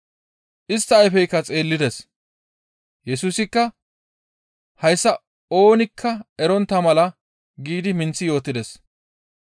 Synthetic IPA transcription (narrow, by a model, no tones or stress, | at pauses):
ʔɪst̪ːɐːjfɛjkːɐt͡sʼe̞ːlːɪd̪ɛs | jɛsuːsɪkːɐ | hɐjsːɐ | o̞ːnɪkʰːɐɛɾɔnt̪ːɐmɐlɐ | ɡiːd̪ɪmɪnt͡sːɪjo̞ːt̪ːɪd̪ɛs